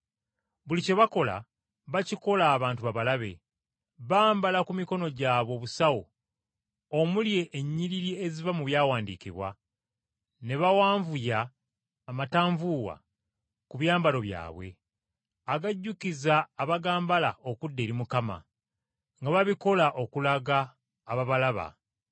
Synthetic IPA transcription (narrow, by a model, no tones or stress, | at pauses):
βulice̞βako̞la̰ | βaciko̞laːβaːntuβaβalaβe̞̰ | βaːmbalakumiko̞no̞ɟaːβo̞ːβusawo̰ | omulje̞ʔːɲːiɾiɾiezivamuβjaːwaːndḭːkḭβwa | ne̞βawaːɱvujaː | mataːɱvuːwa̰ | kuβjaːmbalo̞βja̰ːβwe̞̰ | aɡaɟːukizaːβaɡaːmbala̰okudːe̞ːɾimukama̰ | ŋɡaβaβiko̞laʔo̞kulaɡaː | βaβalaβa̰